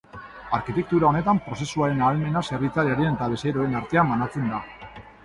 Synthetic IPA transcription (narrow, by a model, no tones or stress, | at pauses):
aɾkit̪e̞k̚t̪uɾao̞ne̞t̪ampɾo̞se̞suaɾe̞naːlme̞nase̞rβit͡saliaɾienet̪aβesejɾoe̞naɾt̪e̞ambanat͡se̞nd̪a